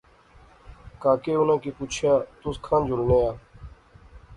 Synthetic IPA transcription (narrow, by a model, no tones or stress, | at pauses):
kaːkeːʊnãːkiːpuːt͡ʃʰjaːt̪ʊskʰãːnd͡ʒʊlneːaː